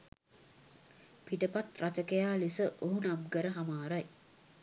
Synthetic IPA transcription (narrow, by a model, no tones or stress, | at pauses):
piʈəpat̪rʔat͡ʃəkejaːlisəʔoɦunabɡəɾəɦamaːɾaj